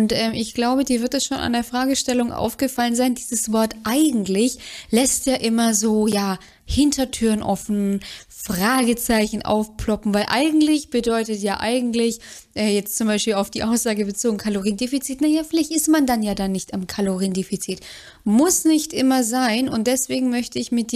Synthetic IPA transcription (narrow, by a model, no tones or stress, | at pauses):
ʊntʔɛːmʔɪçɡ̥laʊbədiːɐvɪɐt̚dasʃoːna̰ndeːɐfʁ̥aːɡəʃtɛlʊŋʔa̰ʊfɡ̥əfalənzaɪndiːzəsv̥ɔɐtʔaɪɡŋ̩tlɪçlɛstjaːʔɪmɐzoːjaː | hɪntʰɐtʰyːɐnʔɔfn̩ | fʁ̥aːɡət͡saɪçn̩ʔa̰ʊfpʰlɔpm̩vaɪlʔa̰ɪɡŋ̩tlɪçb̥ədɔʏtətjaːʔaɪɡŋ̩tlɪç | ʔɛːjɛt͡stt͡sʊmbaɪʃpiːlaʊfd̥iːʔaʊsz̥aːɡəbət͡soːɡŋ̩kʰaloʁ̞iːndeːfit͡siːtnajaːfɪlaɪçtɪstmandanjaːdanːɪçtamkʰaloʁiːndeːfit͡siːt | mʊsnɪçtʔɪmɐzaɪnʊntd̥ɛsv̥eːɡŋ̩mœçtəɪçmɪt̚d̥